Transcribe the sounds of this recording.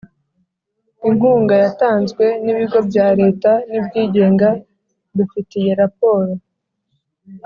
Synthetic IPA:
iŋuːŋɡajataːnzɡwe̞niβiɡo̞bjaːɾe̞ːtanibɟiːɟe̞ːŋɡa | dufitije̞ɾapo̞ːɾo

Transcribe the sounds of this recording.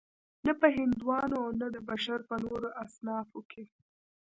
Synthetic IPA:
napəɦɪnd̪wɑnoawnad̪əbaʃaɾpənoɾoʔasnɑfokʰe

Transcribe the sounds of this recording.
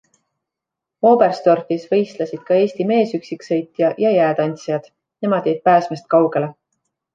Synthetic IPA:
o̞ːberst̪o̞rfisvɤ̞jst̪lɑsid̪̥kɑe̞ːst̪ime̞ːsyksiksɤ̞jt̪ˑjɑjɑjæːd̪ɑnʲt̪sjɑd̪̥ | ne̞mɑd̪̥eːd̪̚pæːsmest̪̚kɑwɡ̥e̞le̞

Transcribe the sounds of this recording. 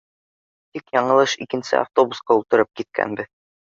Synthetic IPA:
t̪ikjɑɴɤ̆lˠɤʃikɘ̆nsɘ̰a̰ft̪obusqɑulˠt̪ɤ̆ɾɤp̚kit̪̚kʰæ̰nbɘ

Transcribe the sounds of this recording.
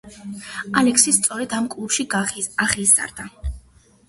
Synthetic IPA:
alɛksist̪sʼɔɾɛd̪amkʼlˠupʃiaχisa̰ɾd̪a

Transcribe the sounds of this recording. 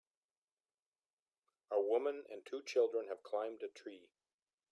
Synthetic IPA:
əwʊmə̃nɨ̰̃ntʰut͡ʃʰɪlˠdɹə̃nɨv̥kʰl̥ãɪ̃mdɨtʰɹ̥i

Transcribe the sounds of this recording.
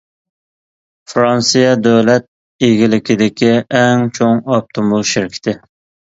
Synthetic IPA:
fɾɑnsɨjɑd̪øwlɛt̪̚ | eɡʲilɪkʲɪd̪ɪkʲʰiʔɛŋt͡ʃʰoŋɑp̚t̪ʰomulˠʃɪɾkʲʰɪ̥t̪ʰɪ

